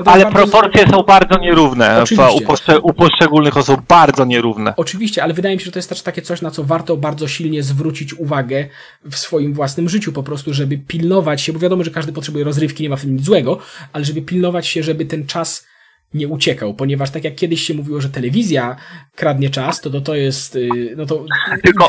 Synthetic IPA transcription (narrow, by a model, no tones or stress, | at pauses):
ɔt̪alɛaɾpɾɔpɔɾt̪sʲjɛsɔ̃w̃baɾd̪zɔɲɛɾuvnɛ̰viuɛpɔʂɛupɔʂt͡ʂɛɡulnɘxɔsub̚baɾd̪zɔɲɛɾuvnɛ̰ɔt͡ʂɘvʲiɕt͡ɕɛalɛvɘd̪ajɛmʲiɕɛʐɛt̪ɔjɛst̪ɛʂt̪ːakʲɛt̪sɔɕnat̪sɔvaɾt̪ɔbaɾd̪zɔɕilɲɛzvɾut͡ɕit͡ɕuvaɡɛ | fsfɔjimvwasnɘmʐɘt͡ɕupɔpɾɔst̪uʐɛbɘpʲilnɔvat͡ɕɕɛbɔvjad̪ɔmɔʐɛkaʐd̪ɘp̬ɔt̪ʂɛbujɛɾɔzɾɘfkʲiɲɛmaft̪ɪmɲizwɛɡɔalɛʐɛbɘpʲilnɔvat͡ɕɕɛʐɛbɘt̪ɛnt͡ʂas | ɲɛut͡ɕɛkawpɔɲɛvaʂt̪akʲjakːʲjɛd̪ɘɕɕɛmuvʲiwɔʐɛt̪ɛlɛvʲizʲjakɾad̪ɲɛt͡ʂast̪ɔtɔt̪ɔjɛst̪nɔt̪̬ɔt̪ɘlkɔ